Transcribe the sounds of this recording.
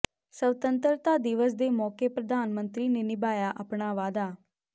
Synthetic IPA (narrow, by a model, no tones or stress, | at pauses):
səʋt̪ənt̪əɾt̪aːd̪ɪʋəsd̪eːmɔːkeːpɾəd̪aːnmənt̪ɾiːneːnɪbaːjaːʔəpɳaːʋaːd̪aː